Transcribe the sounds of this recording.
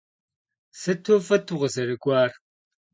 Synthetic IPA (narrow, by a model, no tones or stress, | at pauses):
sɨtʰofɐtʰuʁəzɐɾɨkʷʼɑːr